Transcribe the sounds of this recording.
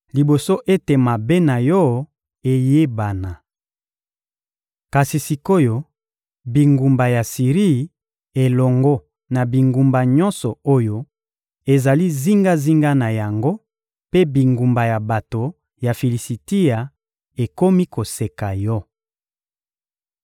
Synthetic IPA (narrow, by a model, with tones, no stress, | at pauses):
li˨bo˨so˦ʔe˦te˨ma˨be˦na˨jɔ˦ | e˨je˦ba˨na˨ | ka˨si˨si˨ko˦jo˦ | bi˨ŋɡu˨mba˨ja˨si˨ʁi˦˨ | e˨lɔ˨ŋɡɔ˦ | na˨bi˨ŋɡu˨mba˨ɲɔ˦nsɔ˨o˦jo˦ | e˨za˨li˦zi˦ŋɡa˦zi˦ŋɡa˦na˨ja˨ŋɡo˦ | pe˦bi˨ŋɡu˨mba˨ja˨ba˨to˨ | ja˨fi˨li˨si˨ti˦ja˨ | e˨ko˦mi˦ko˨se˨ka˨jɔ˦